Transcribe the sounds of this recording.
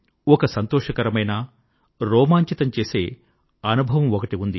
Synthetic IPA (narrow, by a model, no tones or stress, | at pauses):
ɔkɐsɐnt̪ɔːʂɐkɐɾɐmɐjna | ɾɔːmaːɲt͡ʃit̪ɐmt͡ʃe̞ːse̞ː | ɐnubʱɐʋɐmɔkɐʈiund̪i